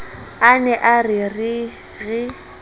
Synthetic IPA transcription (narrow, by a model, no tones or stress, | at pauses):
anɛʔarɪrɪ | ɣɪ